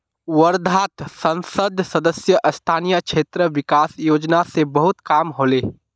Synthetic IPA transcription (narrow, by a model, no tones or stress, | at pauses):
wəɾd̪ʱaːt̪sɐ̃nsəd̪ʱsɐd̪əsjəʔɐst̪ʰaːnijakʃeːt̪ɾəʋɪkaːsjoːd͡ʒnasebɐɦʊt̪kaːmɦoːleː